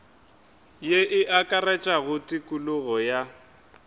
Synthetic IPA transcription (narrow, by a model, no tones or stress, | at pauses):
jeʔɪʔakʼarɛt͡ʃʼaɣʊtʼikʼulʊɣɔja